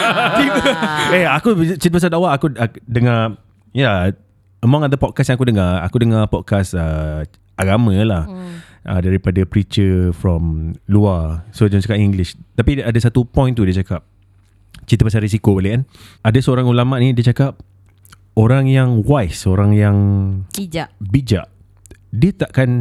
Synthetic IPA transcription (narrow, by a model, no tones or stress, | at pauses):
t͡ʃit̪ueakuit͡ʃit̪̬əpas̬adawaʔakudəŋa | ja | əmãŋad̪əpɔd̚kasjãŋakudəŋaa̰kudəŋapɔd̚kasə | aɡamə̃lah | ʔə̰daɾipadapɾit͡ʃəfɾɔmluasəd͡ʒɔŋt͡ʃakaʔiŋɡlist̪apiadəsat̪upɔ̃j̃nt̪udiət͡ʃakap̚ | t͡ʃit̪əpas̬aɾis̬ikobəleənadəsəoɾaŋulamaʔnĩdiət͡ʃakap̚ | oɾaŋjaŋwajsəoɾaŋjaŋ | bid͡ʒa̰ʔ | diət̪aʔkan